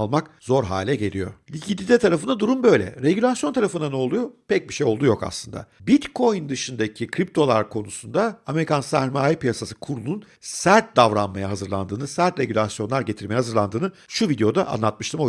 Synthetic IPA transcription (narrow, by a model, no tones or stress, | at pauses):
lˠmakzo̞ɾɦa̰ːlʲɛɟe̞lʲijo̞̰lʲicʰit̪id̪ɛt̪ʰaɾafɯnd̪ad̪uɾumbø̞jlʲɛ̰ɾeɟylʲasjo̞nt̪ʰaɾafɯnd̪anoːlˠujopɛc̚biʃejo̞lˠd̪ujo̞ka̰slˠɯnd̪a̰bit̪kʰo̞jnd̪ɯʃɯnd̪acʰikʰɾip̚t̪ʰo̞lˠa̰ɾkʰo̞nusund̪aame̞ɾikʰansæɾmaːjipijasasɯ̥kʰuɾulˠun | sæɾt̪̚d̪avɾanmajaɦazɯɾlˠa̰nd̪ɯːnɯsæɾt̪ɾe̞ɟylʲasjo̞nlˠaɾɟe̞t̪ʰiɾmejɛhazɯɾlˠand̪ɯːnɯ | ʃuvid̪eo̞d̪aʔa̰nlˠat̪̚mɯʃt̪ɯmo